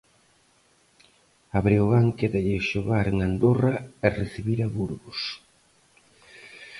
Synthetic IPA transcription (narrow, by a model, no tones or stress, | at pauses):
aβɾioɣaŋkeðeʎɪʃoɣaɾeŋand̪oraɛreθiβiɾaβuɾβʊs